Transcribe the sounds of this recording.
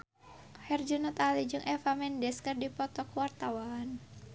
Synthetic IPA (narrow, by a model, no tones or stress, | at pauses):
hɛrd͡ʒunut̪alid͡ʒɨŋʔɛfamɛndɛskɨrdipɔt̪ɔkwart̪awaːn